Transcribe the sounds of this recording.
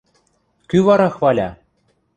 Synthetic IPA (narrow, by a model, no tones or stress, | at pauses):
kyβɑɾɑxβɑlʲɑ̰